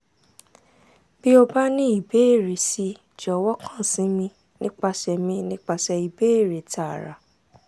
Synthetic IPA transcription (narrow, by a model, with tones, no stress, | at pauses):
b̥i˦o˧ba˦nĩ˦i˨be˨˦e˦˨ɾe˨si˨˧ | d͡ʒɔ˨wɔ˦kʰã˦˨sĩ˨˦mĩ˧ | nĩ˦k͡pa˧ʃɛ˨mĩ˧nĩ˦k͡pa˧ʃɛ˧i˨be˦e˦˨ɾe˨ta˨ɾa̰˨